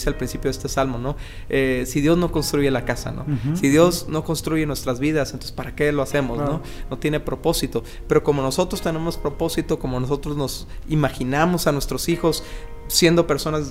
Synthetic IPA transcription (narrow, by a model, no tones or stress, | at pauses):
sealpɾinsipjoðest̪esalmo̞no̞ | esiðjo̞zno̞ko̞nst̪ɾuʝe̞lakasa̰no̰siðjo̞zno̞ko̞nst̪ɾuʝe̞nwe̞st̪ɾazβiðasnosespaɾake̞lo̞ase̞mo̞zno | no̞t̪je̞ne̞pɾo̞po̞sit̪o̞ | pe̞ɾo̞ko̞mo̞no̞so̞t̪ɾo̞st̪e̞ne̞mo̞spɾo̞po̞sit̪o̞ko̞mo̞noso̞t̪ɾo̞zno̞simaxinamo̞sanwe̞st̪ɾo̞sixo̞sː | je̞nd̪ope̞ɾso̞naz